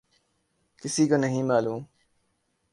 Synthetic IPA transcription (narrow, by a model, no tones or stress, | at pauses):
kɪsiːkoːnəɦĩːmaːluːm